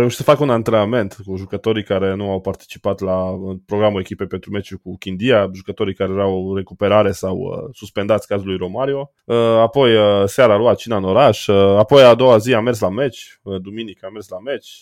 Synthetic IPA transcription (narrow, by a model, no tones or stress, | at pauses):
ɾeuʃitsəfakəunant̪ɾename̞nt̪kuʒukət̪o̞ɾikaɾe̞nuawpart̪i̥t͡ʃi̥pat̪lapɾo̞ɡɾamue̞kʲipepe̞nt̪ɾume̞t͡ʃʲukukʲind̪ijaʒukət̪o̞ɾikaɾejeɾawre̞kupe̞ɾaɾe̞sawə̰suspe̞nd̪at̪sʲkazulujɾo̞maɾio̞ | əapo̞jəseaɾaːluat̪̚t͡ʃinaɨno̞ɾaʃəapo̞jad̪o̞waziame̞rs̬lame̞t͡ʃʲ | əd̪uminikame̞rslame̞t͡ʃʲ